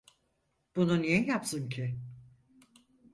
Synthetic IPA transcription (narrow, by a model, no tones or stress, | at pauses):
b̥ununijɛjapsɯncʰɪ